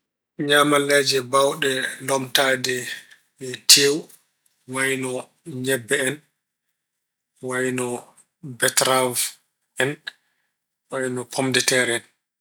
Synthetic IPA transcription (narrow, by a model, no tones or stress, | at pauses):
ɲaːmalɛd͡ʒɛbawɗɛlɔmtaːdɛ | ɓɛtʰew | wajnɔ | ɲɛbːɛɛn | wajnɔ | bɛtɾav | ɛn | wajnɔpʰɔmdɛtɛɾɛɛn